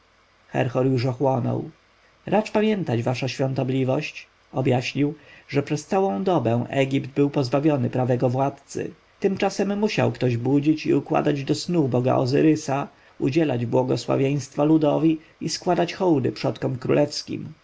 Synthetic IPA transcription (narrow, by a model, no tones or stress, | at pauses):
xɛ̰ɾxɔɾjuʂɔxwɔnɔ̰w | ɾʔat͡ʂpamʲjɛnt̪ad͡ʑvaʂaɕfʲjɔ̃nt̪ɔblʲivɔɕt͡ɕ | ɔbjaɕɲiwʐɛpʂɛst̪sawɔ̃w̃d̪ɔbɛ̃w̃ʔɛ̰ɡʲipd̪̚bɘwpɔzbavʲjɔnɘpɾavɛɡɔvwat̪t̪sɘ̰ | t̪ɘmt͡ʂasɛmːuɕa̰wkt̪ɔʑbud͡ʑit͡ɕḭukwa̰d̪ad͡ʑd̪ɔsnubɔɡa̰ʔɔ̰zɘ̰ɾɘsa | ud͡ʑɛlad͡ʑbwɔɡɔswa̰vʲjej̃st̪falud̪ɔvʲi | iskwad̪at͡ɕxɔwd̪ɘ̰pʂɔt̪kɔmkɾṵlʔɛfskʲḭm